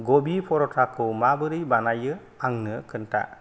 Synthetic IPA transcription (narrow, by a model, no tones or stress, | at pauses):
ɡobipʰɔɾɔtʰakʰɔmabɯɾɯjbanajɯ | aŋnɯkʰɯnta̰